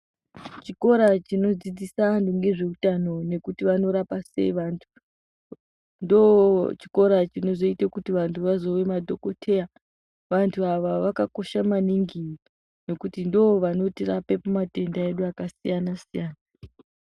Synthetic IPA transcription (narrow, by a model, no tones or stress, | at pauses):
t͡ʃiko̞ɾat͡ʃino̞d͡zid͡zisanduŋɡe̞ʐe̞utano̞ne̞kutiʋano̞ɾapase̞̰iʋantʰu̥ | ndot͡ʃi̥ko̞ɾat͡ʃino̞zo̞itakutiʋantʰuʋazo̞ʋe̞madʱo̞ko̞tʰe̞ja | ʋantʰuaʋaʋakako̞ʃamaniŋɡi | no̞kutindooʋano̞tirape̞pamate̞ndaeɗuakasijanasijaːna